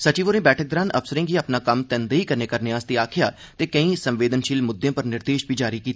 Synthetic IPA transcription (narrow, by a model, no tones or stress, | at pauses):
sət͡ʃiːʋoɾẽːbɛːʈʰək̚d̪əɾaːnə̰bsəɾɪ̃ːɡiːəpnaːkəmt̪ɛ̃ːnd̪eiːkəɾneːkəɾnɪãːst̪iːaːkʰɪjaː | t̪eːkəĩːsə̃mʋeːd̪ənʃiːlmʊd̪ːẽːpəɾnɪɾd̪eːʃbʱiːd͡ʒaːɾikiːt̪ː